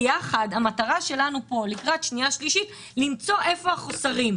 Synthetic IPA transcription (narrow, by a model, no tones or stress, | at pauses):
jaχadamataʁaʃe̞lanupo̞likʁatʃniaʃliʃit | limt͡so̞ʔe̞fo̞aχosaʁim